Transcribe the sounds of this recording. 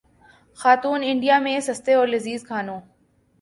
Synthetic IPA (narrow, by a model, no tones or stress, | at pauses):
xaːt̪uːnɪɳɖijamẽsɐst̪eɔːɾlɪziːzkʰaːnõː